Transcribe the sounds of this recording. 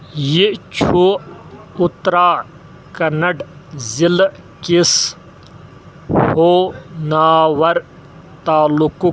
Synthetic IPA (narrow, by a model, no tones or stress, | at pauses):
jit͡ʃʰu | ʊt̪ɾaː | kɐnɐɖzil | kis | hoːnaːwɐɾ | t̪aːluku